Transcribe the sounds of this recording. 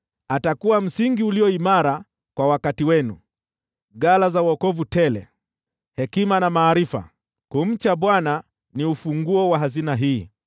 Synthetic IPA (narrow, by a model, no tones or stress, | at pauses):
atakuwam̩siŋɡiuliɔimaɾa | kwawakatiwɛnṵ | ɡalazawɔkɔvutɛlɛ̰ | hɛkimanamaːɾifa̰ | kum̩t͡ʃaɓwana | niufuŋɡuɔwaɦazinaɦiː